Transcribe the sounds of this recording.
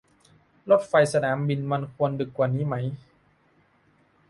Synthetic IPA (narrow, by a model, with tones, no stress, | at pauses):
lo˦˥t̪̚fa˧jsa˧naː˩˦mbi˧nma˧nkʰu˧əndɯ˨˩kːwaː˨˩niː˦˥ma˦˥j